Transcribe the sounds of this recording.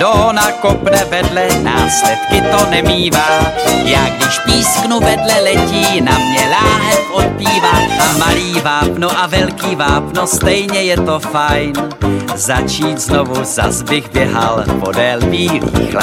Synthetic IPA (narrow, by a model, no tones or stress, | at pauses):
doɦonakopnɛvɛdlɛna̰ːslɛt̪kɪt̪onɛmiːvaːjaːɡdɪʃpiːsknuvɛdlɛlɛciːnamɲɛlaːɦɛpʔot̪̚piːvatamaliːvaːpnoʔavɛlkiːvaːpnost̪ɛjɲɛjɛt̪o̞fajnzat͡ʃiːt̪znovuza̰zbɪɣbjɛɦalpo̞dɛlviːɾḭːxla